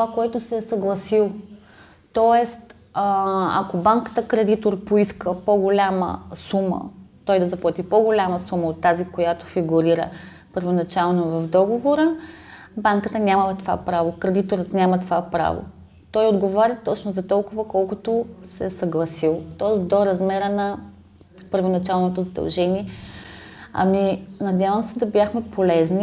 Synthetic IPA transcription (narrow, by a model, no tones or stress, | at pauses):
t̪oakoɛt̪ʊsɛsɐɡlˠɐsilˠ | t̪ɔɛst̪ | əa̰kobaŋkə̥t̪əkɾɛd̪it̪oɾpoiskəpoɡolʲamə̰sumə̰t̪ɔjd̪ɐzɐplˠat̪ipoɡolʲaməsuməot̪ːazikojat̪o̥fiɡuɾiɾə̰ | pəɾvonɐt͡ʃalˠnovɐvd̪ɔɡovoɾəbaŋkət̪ənʲaməlˠt̪ova̰pɾavokɾɛd̪it̪oɾət̪nʲamɐt̪ovapɾa̰vo̰ | t̪ɔjod̪ɡovɔɾʲət̪ɔt͡ʃnozɐt̪ɔlˠkʊvɐkɔlˠkʊt̪osɛsɐɡlˠɐsilˠt̪ɔd̪oɾɐzmɛɾənɐ | pəɾvonɐt͡ʃalˠnot̪ozɐd̪ɐ̰lˠʒɛniɛ | ɐ̰minɐd̪ʲjavəmsɛd̪ɐbjaxmɛpolɛzni